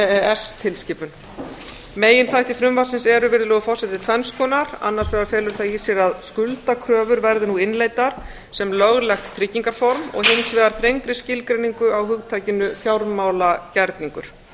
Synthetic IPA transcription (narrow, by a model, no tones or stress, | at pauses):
ɛst̪ʰɪlscɪːpʏn | meːjɪnt̪ʰajht̪ɪfɾʏmvasɪnsɛɾʏvɪɾðʏlœːɣʏfɔrsɛt̪ɪt̪ʰfɛnskʰɔːnaɾ̥a̰nːaɾsvɛɣaɾfɛːlʏɾ̥θajiːsɛɾaðskʏlt̪akʰɾœːvʏɾvɛɾðɪnuɪnleːjt̪aɾ̥ | sɛmlœɣlɛxt̪tʰːɾɪcːiŋkaɾ̥fɔɾmɔ̰ɣhɪnsvɛːɣaɾ̥θʰɾejŋkɾɪscɪlkɾejniŋkʏawhʏɣt̪ʰaːjcɪnʏfjawɾmaːwlacɛɾt̪niŋkʏɾ̥